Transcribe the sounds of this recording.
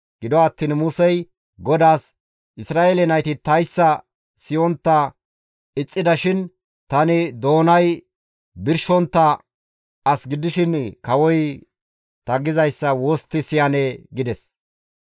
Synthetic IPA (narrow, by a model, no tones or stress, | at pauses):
ɡ̥ɪd̪ɔɐt̪ːiːnmʊsɛj | ɡɔd̪aːs | ʔɪsɾaːʔelɛnɐjt̪ɪt̪ɐjsːɐ | sɪjɔnt̪ːɐ | ɪt͡sʼːɪd̪ɐʃɪn | t̪ɐnɪd̪o̞ːnɐj | bɪɾʃɔnt̪ːɐ | ɐsɡɪd̪ɪʃɪnkɐwɔj | t̪ɐɡɪzɐjsːɐwoːst̪ːɪsɪjɐnɛɡɪd̪ɛs